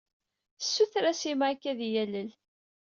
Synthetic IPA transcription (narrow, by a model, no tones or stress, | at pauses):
sːuθɾæsimʕakːæðjæləl